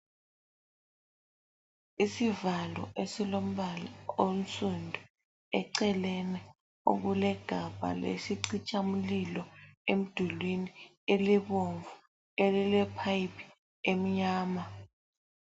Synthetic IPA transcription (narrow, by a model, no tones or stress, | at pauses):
isivalɔ̰ʔesilom̩ɓalaom̩sʼundʱu | ɛǀɛlɛnɛ | o̰ɣulɛɡ̥ʱab̥ʱa̰lḛsiǀit͡ʃʼamulilɔem̩d̥ʱulwini | eliβoɱvu | elilɛpʰaipʰi̥ | em̩ɲaːma